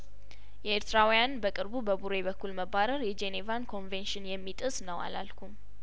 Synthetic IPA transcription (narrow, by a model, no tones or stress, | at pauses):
jɛeɾt̪ʰɨɾawijanbəkʼɨɾbubəbuɾe̞βəkːulməbaɾəɾjɛd͡ʒenevankʰo̞nvenʃɪnjɛmːit̪ʼɨsnəwa̰la̰lkʰum